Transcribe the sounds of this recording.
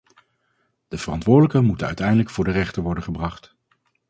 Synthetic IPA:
d̥əv̥ərɑntʋʊːɹdələkəmutənœ̰ɥtɛjndələkfʊːɹdərɛχtəɹʋɔɹdənχəbrɑχt

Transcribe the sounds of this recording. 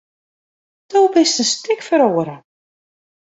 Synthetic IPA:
towbɪstənstɪkfəɾoːəɾə

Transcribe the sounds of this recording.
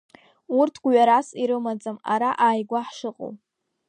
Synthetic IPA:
urtʰɡʷɥaɾasiɾɨmad͡zʼama̰ɾaʔaːjɡʷaħʂɨqʼo̰w

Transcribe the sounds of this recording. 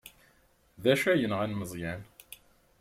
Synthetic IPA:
ðæʃæjənʁænməzˤjæn

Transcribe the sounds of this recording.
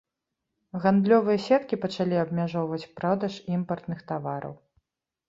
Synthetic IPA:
ɣand̪lʲɔvɨjɐsʲɛt̪kʲipɐt͡ʂalʲiɐb̚mʲaʐɔwvɐt͡sʲpɾawd̪ɐʂimpɐrt̪nɨxt̪avaɾɐ̰w

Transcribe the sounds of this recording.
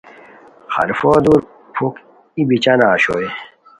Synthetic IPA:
xɐ̰ɾfoːd̪uɾ | pʰuk | ibit͡ɕanaːɕo̰e

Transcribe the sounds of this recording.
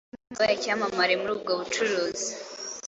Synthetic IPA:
bajacaːmamaɾemuɾuːb̚ɡoβut͡ʃuɾuːzi

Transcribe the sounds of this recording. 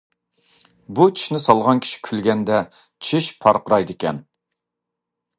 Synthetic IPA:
but͡ʃʰi̥ʃnɪsɑlˠʁɑnkʲʰi̥ʃi̥kʲʰylɡʲɛnd̪ɛ | t͡ʃʰiʃpʰɑɾqəɾɑjd̪ɪkʲɛ̰n

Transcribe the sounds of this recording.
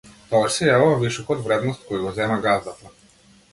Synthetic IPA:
t̪ɔaʃsɛjavuvaviʃɔkɔd̪vɾɛd̪nɔst̪̚kɔjaɡɔzɛmaɡazd̪at̪a

